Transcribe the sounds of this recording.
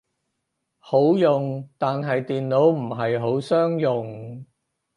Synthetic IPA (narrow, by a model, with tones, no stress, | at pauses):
ho˨˥wjʊ˨ŋt̪aː˨nɦɐ˨jt̪iː˨nlo˨˥wm̩˨˩ɦɐ˨jɦo˨˥wsœː˥ŋjʊ˨˩ŋ